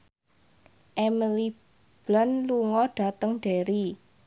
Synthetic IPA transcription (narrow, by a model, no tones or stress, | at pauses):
ʔɛmili | b̥lanluŋɔɖ̥a̤t̪əŋɖ̥eɾi